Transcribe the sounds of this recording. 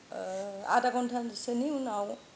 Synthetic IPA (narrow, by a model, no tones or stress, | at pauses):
a̰dakɔntʰansɯniunaw